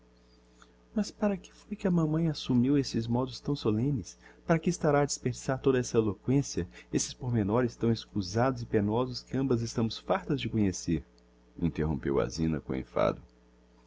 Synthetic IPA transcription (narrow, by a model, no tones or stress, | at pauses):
mɐspaɾɐkɪ̥fojkɪɐmɐ̃mɐ̃j̃asumiwesɪzmɔd̪ʊst̪ɐ̃w̃solẽnɪspaɾɐkɪːst̪aɾaːd͡ʒispeɾd͡ʒisaɾt̪od̪ɐɛsɐelokwẽsiɐesɪspoɾmenɔɾɪst̪ɐ̃w̃eskuzad̪ʊzɪpenɔzʊskɪɐ̃mbɐzɪst̪ɐ̃mʊsfaɾt̪ɐzd͡ʒɪkõɲeseɾ | ĩnt̪eɦõ̰pḛwa̰zĩnɐ̰kõḛ̃fa̰d̪ʊ